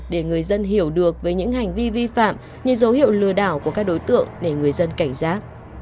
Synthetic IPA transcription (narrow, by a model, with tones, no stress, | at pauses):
ɗe˧˩ŋɨ˨˩əjzə˧nɦi˧˩əwɗɨ˨˩ək̚vəː˨˦jɲɨ̰˧˥ŋha˨˩jŋ̟vi˧vi˧fa̰ː˧˨m | ɲɨ̰˧ŋzə˨˦whḭ˧˨əwlɨ˨˩əɗaː˧˩wku˧˩əkaː˦˥k̚ɗo˨˦jt̪ɨ̰˧˨əŋɗe˧˩ŋɨ˨˩əjzə˧nka˧˩jŋ̟zaː˦˥t̚